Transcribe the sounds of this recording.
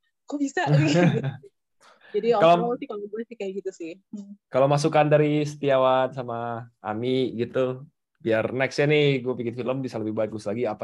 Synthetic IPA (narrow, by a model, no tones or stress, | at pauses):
kubisa | d͡ʒadiɔkalaasɪkaloɡuɛsikajaɡit̪usɪh | kalawmasukandaɾisə̥t̪iawansamaa̰miɡit̪u | biarnɛksanɪɡuapikɪnfiləmbisaləbɪhbaɪt̪̚ɡuslaɡiapa